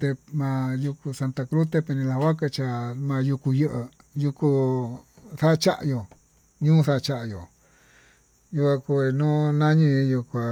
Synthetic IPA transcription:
t̪e˧mã˧ju˧ku˧sa˧nt̪a˧kɾu˦t̪e˧pe˧nĩ˧la˧wa˦ka˧t͡ʃa˧˨mã˧ju˧ku˧jɨ˧ʔɨ˧ | ju˧ku˧ | θa˦˧t͡ʃa˦ʔjo˨ | ɲũː˦θa˦˧t͡ʃa˧ʔjo˨ | ju˧kʷa˧ku˧e˧nũ˦nã˦ɲĩ˧ju˧kʷa˨

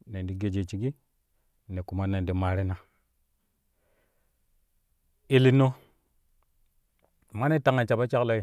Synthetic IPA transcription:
ne˨ndi˨ɡe˨d͡ʒe˨t͡ʃi˨ɡi˦ | ne˨ku˨ma˦na˨n˨di˨ma˨ɾi˦na˨ | e˨li˦no˦˨ | ma˦ne˦ta˦ŋa˨t͡ʃa˨ba˦t͡ʃa˦kla˦i˨

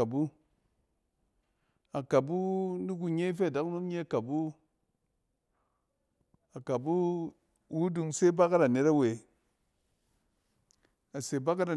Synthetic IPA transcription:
a˨bu˦ | a˨ka˨bu˦di˦k̬u˧ɲe˦i˦fe˦a˨da˨˦kno˦mɲe˦a˨ka˨bu˦ | a˨ka˨bu˦ | wu˦du˧ŋse˦ba˦ka˦ɾa˨ne˦ɾa˦we˨ | a˨se˨ba˦ka˦ɾa˨

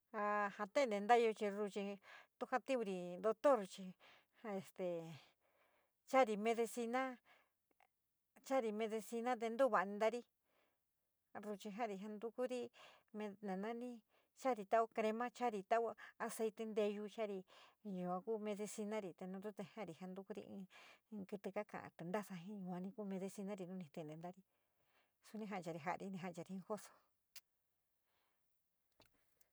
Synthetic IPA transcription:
a˧hã˧t̪ẽ˦˧nd̪e˨˧nd̪a˦jo˧t͡ʃi˧ɾu˧t͡ʃi˧t̪u˦˧ha˧t̪i˦u˧ɾi˧nd̪o˧t̪o˦ɾu˧t͡ʃi˧ | a˧e˨st̪e˨ | t͡ʃa˦ɾi˧mẽ˧ðe˧si˧nã˦ | t͡ʃa˦ɾi˧mẽ˧ðe˧si˧nã˦t̪̬e˧nd̪u˦βa˨˧nĩ˧nd̪a˦ɾi˦ | ɾu˧t͡ʃi˧ɦã˦˨ɾi˧ɦa˧nd̪u˧ku˦ɾi˧ | mẽ˧nẽ˨nã˦nĩ˦ | t͡ʃa˦ɾi˧t̪a˦o˧˦kɾe˧mã˦t͡ʃa˦ɾi˧t̪a˦o˦a˧se˧jt̪e˧nd̪e˧ju˧t͡ʃa˦ɾi˧jũ˧ã˧ku˦mẽ˧ði˧si˧nã˦ɾi˧t̪e˧nũ˧d̪u˦t̪e˧hã˦˨ɾi˧ha˧nd̪u˧ku˦ɾḭ˧ʔḭ̃˧kɨ˧t̪ɨ˧ka˦kã̰˨ʔã̰˧˨t̪u˧˨nd̪a˦sa˧ɦĩ˦ɲũ˧˨˧ã˧nĩ˧ku˦mẽ˧ði˧si˧nã˦ɾi˧nũ˦nĩ˧t̪ẽ˧˨nd̪e˧nd̪a˦ɾi˧ | su˧nĩ˧ɦã˧˨˧t͡ʃa˧ɾi˧ɦa˧˨ʔɾi˧nĩ˧ɦã˧˨˧t͡ʃa˧ɾi˧ĩ˧xo˦so̥˧

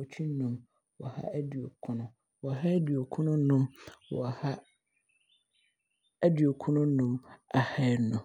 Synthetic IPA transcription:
ɔ˨t͡ɕʰᶣi˦n˦nũ˨m | wɔ̰˨ha̰˦æ˦dɥo˨kʰʊ̃˦nʊ̃˦ | wɔ˨ɦa˦dɥo˨kʰʊ̃˦nʊ̃˦nʊ̃˦mwɔ̰˨ha˦ | æ˦dɥo˨kʰʊ̃˦nʊ̃˦nʊ̃˦ma˨ha˦nʊ̃˨

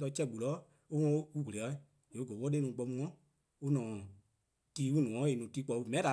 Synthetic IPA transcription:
t̬ɔ˧˦t͡ʃɛ˧˨ɡ͡bu˨lɔ˨˦ | u˦ŋɔ̃˧˦u˦wu˨le˨ɔ˧˦˨ | e˨u˦ɡə˨wɔ˦e˦nũː˨k͡pɔ˧mũ˧˦ɔ̃˦ | u˦nɔ̃ː˨ | tiː˨˦u˦nũ˨ɔ̃˨˦e˨nũː˨tiː˦k͡pɔ˧˨˧u˧˨mɛ̃˨˦da˨

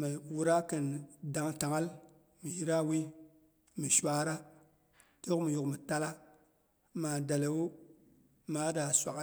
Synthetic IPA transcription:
mi˨wu˨ɾa˦kə˨nda˨ŋta˨ŋa˦l | mi˨ji˦ɾa˦wi˦ | mi˨ʃʷa˦ɾa˦ | te˦ju˦kmi˨ju˨kmi˨ta˦la˦ | ma˨da˨le˨wu˦ | ma˨˦da˨sʷa˨k

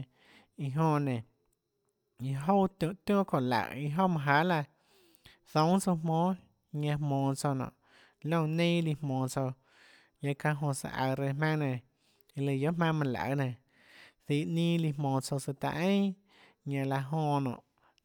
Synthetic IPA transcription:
i˧ɦõ˧nẽ˨ | i˧ɦo˦t̪ũ˧˨ʔt̪jõ˦˨kõ˧˨la̰˨i˧ɦo˦mã˧ɦa˨˦la˧ | θõ˨˦t͡so˧mõː˦ | ɲã˧mõː˨t͡so˧nɔ̰̃˨ | lõ˦˧˨nẽ˦li˧mõː˨t͡so˧ | ɲã˧kã˧ɦõ˧sa̰˧˨ʔa̰˧˨ɾe˧mã˦ŋnẽ˨ | i˧lə˧˨jo˦ʔmã˦˧mã˧˨la̰˧˨nẽ˨ | θi˧˨ʔnĩː˦li˧mõː˨t͡so˧sɨ˧t̪a̰˧ʔẽ˦ | ɲã˧la˧ɦõː˧˨nɔ̰̃˨ʔ

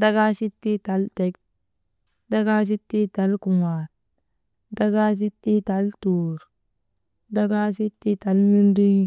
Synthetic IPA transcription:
da˦ɡa˦si˦tːi˦ta˨˦lte˦k | da˦ɡa˦s̬i˦tːi˦ta˨lku˨ŋa˨t̚ | da˦ɡa˦s̬i˦tːi˦ta˨˦ltuː˨ɾ | da˦ɡa˦si˦tːi˦ta˨˦lmi˦ndi˦ŋ

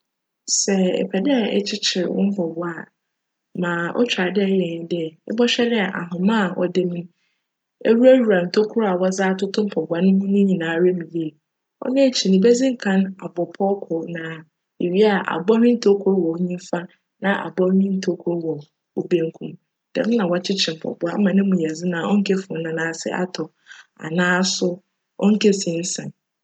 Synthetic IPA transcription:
sɛ˨ɛ̰˨pʰɛ˨dɛ˦a˨ɛ̰˦t͡ɕʰɪ˦t͡ɕʰɪ˨ɾwʊ̰̃˦m̩˦pʰɔ˨bɔ˦a˦˨ | mãː˨ʔɔ̰˦t͡ɕᶣɾa˨dɛ˦˨jɛ̃˨˦dɪ˦˨ɪ̰˦bɔ˦ɕᶣɛ˦nɪ̃˦a˨ʔa̰˨ɦʊ̃˨mã˦˨ʔɔ̰˨dɪ˦mñ̩˦ | ḛ˦wu˦ɾæ˦wɾa˨n̩˨tʰo˦kʰu˦ɾa˨wɔ˦zaː˦tʰʊ˦tʰʊ̃˦m̩˦pʰɔ˨ɡʷã˨nʊ̃˦hũ˦nũ˦ɲĩ˨nãː˨ɾe˦mĩ˨li˦e˨ | ɔ̰˦nã˦˨t͡ɕʰi˨nĩ˨be˦zĩ˦ŋ̩˦kʰã˦na˨bɔ˨pʰɔ˦kʰʊ˨nã˨ | e˨ɥi˦a˨ʔa̰˨bɔ˦nɪ̃˦n̩˦tʰo˦kʰɔ˦ɾwɔ˨o˦ɲĩ˦m˦fa˦ | nã˨ʔa̰˨bɔ˦nĩ˦n̩˦tʰo˦kʰɔ˦ɾwɔ˨ | o˦bẽ˦ŋ̩˦kʰũ˦m | d̥ɛ̰˨mʊ̃˦nã˨wa˨t͡ɕʰɪ˦t͡ɕʰɪ̃˨m˨pʰɔ̰˨bʊ˨a̰˦mã˨nɪ̃˦mũ˨jɛ˨zɪ˦nã˨ɔ˦ŋ̩˦kʰe˦fʊ̃˨˦nã˨˦nãː˨˦˨sɪ̰˦ʔa̰˦tʰɔ˨ | a̰˨nãː˦sʊ˦ | ɔ̰˦ŋ̩˦kʰe˦sĩ˨n̩˦sã˨n

